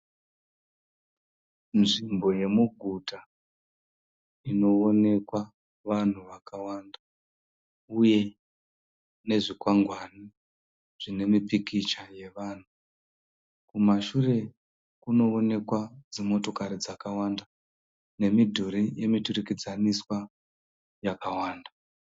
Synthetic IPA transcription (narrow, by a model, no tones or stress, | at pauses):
nʐimbo̞je̞muɡʱutʰa | ino̞one̞kwa | ʋan̤uʋakawanda | uje̞ | ne̞ʐikwaŋɡʱwani | ʐ̥ine̞mipikit͡ʃaje̞ʋaːn̤u | kumaʃure̞ | kuno̞one̞kwad͡zimo̞to̞kaɾid͡zakawanda | ne̞midʱuɾije̞miturikid͡zaniswa | jakawaːnda